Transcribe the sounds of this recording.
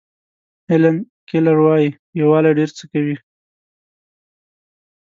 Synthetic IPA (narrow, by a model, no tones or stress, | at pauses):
hɪlan | kelaɾwɑji | jawɑleɖeɾt͡səkawi